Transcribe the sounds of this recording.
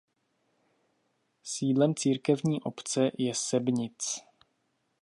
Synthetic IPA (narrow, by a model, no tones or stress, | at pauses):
siːdlɛmt͡siːɾkɛvɲiːʔo̞pt͡sɛjɛsɛbɲɪt͡s